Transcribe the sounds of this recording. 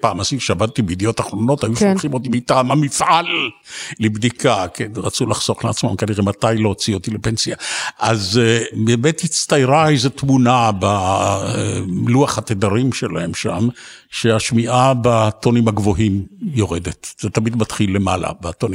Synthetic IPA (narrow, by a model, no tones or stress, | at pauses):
paːmasiʃeabad̪̚t̪ibeid̪ejo̞taχʁo̞no̞tajuʃaχimot̪ibeitamamifʔalː | ebd̪ikakʰenʁat͡sulaχz̥o̞χleat͡smamkaniʁematajlo̞t͡siot̪ilepensiaazbeːmetit͡st̪ajʁaejzet̪munaba | luaχhat̪ed̪aʁimʃela̰he̞mʃam | ʃeaʃmiʔabat̪onimhaɡvoɦimjo̞ʁed̪et̪z̥et̪amid̪mat̪χilːemala̰bet̪oni